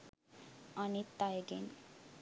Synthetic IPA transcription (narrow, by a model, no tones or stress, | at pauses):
anit̪ajɡen